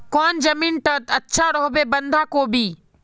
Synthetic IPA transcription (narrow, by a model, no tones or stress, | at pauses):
kɔːnd͡ʒɐmiːnʈɐt̪ɐtːʃʰaɾɔːɦbebɐ̃nd̪ʱakobʱiː